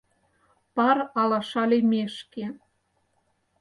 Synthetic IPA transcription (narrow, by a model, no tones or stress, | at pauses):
pɑɾɑlɑʃɑlʲemeʃke